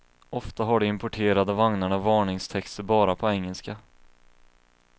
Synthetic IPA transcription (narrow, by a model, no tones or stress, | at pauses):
ɔft̪aɦaɖɛɪmpɔʈʰeːɾad̪əvaŋnaɳavɑːɳɪŋst̪ʰɛkst̪əɾbɑːɾapʰɔɛŋːəlska